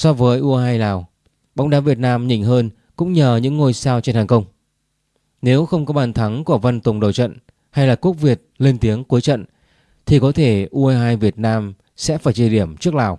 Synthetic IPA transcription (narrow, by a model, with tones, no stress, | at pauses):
sɔ˧vəː˨˦jʔu˧ʔhaː˧jlaː˨˩w | ɓɔ˨˦wŋ͡mɗaː˨˦vi˨˩ət̚naː˧mɲḭ˧˩˨ŋ̟ɦəː˧n | kʊ̰˧˥ŋ͡mɲəː˨˩ɲɨ̰˧˥ŋːo˧jsaː˧wt͡ɕe˧nhaː˨˩ŋxə˧wŋ͡m | ne˨˦wxə˧wŋ͡mkɔ˨˦ɓaː˨˩nt̪ʰa˨˦ŋku˧˩əvə˧nt̪ʊ˨˩ŋ͡mɗə̰˧˨˩wt͡ɕə̰˧˨n | ha˧jlaː˨˩ku˦˥k̚vi˨˩ət̚le˧nt̪i˨˦əŋku˨˦əjt͡ɕə̰˧˨n | t̪ʰi˨˩kɔ˨˦t̪ʰe˧˩ʔu˧ʔaː˧ɦaː˧jvi˨˩ət̚naː˧m | sɛ̰˧˥faː˧˩jt͡ɕi˧ɗi˧˩əmt͡ɕɨ˦˥ək̚laː˨˩w